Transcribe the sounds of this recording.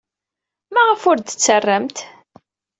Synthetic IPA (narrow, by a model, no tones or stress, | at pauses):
mæʁəfʊɾd̪ət͡sːərːəmt̪